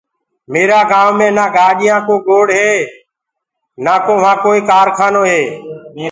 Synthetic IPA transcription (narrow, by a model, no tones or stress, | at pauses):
meːɾaːɡaːʋmẽːnaːɡaːɗɪjãːkoːɡoːɽɦeː | naːkoːʋãːkoːiːkaːɾkʰaːnoːɦeː